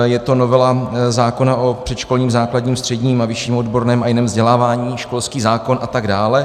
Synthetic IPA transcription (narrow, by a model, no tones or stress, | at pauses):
jɛt̪o̞no̞vɛlazaːko̞naʔo̞pr̥ɛt̪ʃko̞lɲiːmzaːkladɲiːmst̪r̥ɛdɲiːmavɪʃiːmodbo̞ɾnɛːmajɪnɛːmvzɟɛlaːvaːɲiːʃko̞lskiːzaːko̞nʔat̪aɡdaːlɛ